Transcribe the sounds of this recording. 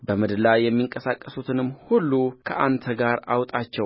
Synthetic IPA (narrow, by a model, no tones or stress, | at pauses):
bəmɨd̪lajɛmːiŋkʼəsakʼːəsut̪ʰɨnɨmːhulːukʰəʔant̪ʰəɡaɾa̰wt̪ʼat͡ʃːɛw